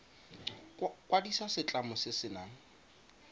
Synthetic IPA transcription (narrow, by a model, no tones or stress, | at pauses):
kʼwadisasɪt͡ɬʼamʊsɪsɪnaːŋ̩